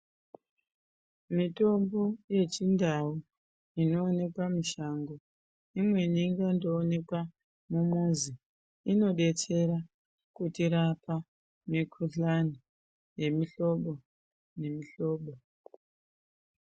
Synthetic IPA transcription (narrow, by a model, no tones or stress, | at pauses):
mito̞mbo̞je̞t͡ʃindau | ino̞ːne̞kwamiʃaŋɡo | imwe̞niŋɡando̞ːne̞kwa | mumuzi | ino̞ɗe̞t͡se̞ɾa | kutiɾapa | mikʰuɬani | je̞miɬo̞ɓo̞ | ne̞miɬo̞ːɓo